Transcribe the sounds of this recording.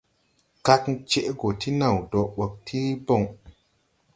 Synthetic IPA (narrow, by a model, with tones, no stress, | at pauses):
ka˦kt͡ʃe˦ʔɡo˨tʰi˦na˨wdo˨ɓə˨k̚tʰi˦bo˦˨ŋ